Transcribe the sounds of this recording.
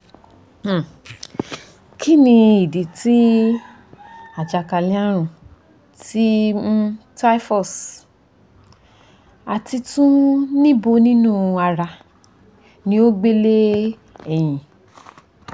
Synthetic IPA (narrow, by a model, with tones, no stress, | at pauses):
kʰi˦nĩ˧i˨di˨ti˦ | a˨d͡ʒa˨ka˨lĩ˧˦a˦ɾ̃ũ˧˨ | ti˦ | ta˦fɔ˦˨s | a˧ti˧tũ˦nĩ˦bo˧nĩ˦nũ˦˨a˧ɾa˧ | nĩ˧˦o˦ɡ͡be˦le˦ | ɛ˨j̃ĩ˨